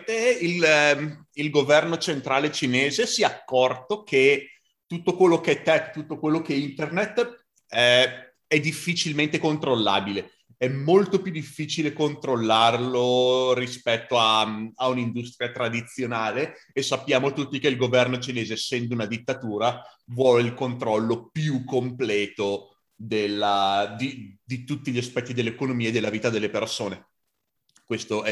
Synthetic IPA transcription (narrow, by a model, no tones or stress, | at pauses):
t̪eil | ilɡovɛrnot͡ʃent̪ɾaːlet͡ʃineːzesiakːɔrt̪ok̟ʰe | t̪ːut̪ːokwelːok̟ɛt̪ːɛkt̪ːut̪ːokwelːokeint̪ernet̪ː | ɛ | ɛd̪ifːit͡ʃilment̪ekont̪ɾolːa̰ːbile | ɛmːolt̪opjud̪ːifːiːt͡ʃilekont̪ɾolːarloɾispɛt̪ːoaaunind̪ust̪ɾiat̪ɾad̪it̪sːjonaːleː | sapːjaːmot̪ut̪ːikeilɡovɛrnot͡ʃineːzesɛnd̪ounad̪it̪ːat̪uːɾavwɔleilkont̪ɾɔlːopjukːomplɛːt̪o | d̪elːad̪id̪it̪ut̪ːiʎːiaspɛt̪ːid̪elːekonomiːed̪elːaviːt̪ad̪elːepersoːne | kwest̪oɛ